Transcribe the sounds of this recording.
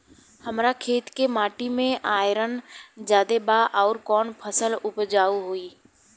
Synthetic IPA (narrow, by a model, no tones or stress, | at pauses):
həmɾakʰeːt̪kemaːʈimẽʔaːjɪɾənd͡ʒjaːd̪ebaʔɔːɾkɔːnpʰəsəlʊpd͡ʒaːuɦoiː